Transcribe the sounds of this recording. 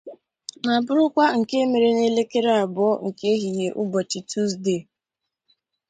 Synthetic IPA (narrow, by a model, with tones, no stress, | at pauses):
na˨bʊ˦ɾʊ˦kʷa˦ŋ̩˨ke˦me˨ɾe˨ne˦le˦ke˦ɾe˦a˨bɔ˦ŋ̩˨ke˦ɦi˨ɲe˨ʔʊ˦bɔ˨t͡ʃɪ˨tu˦sde˦˨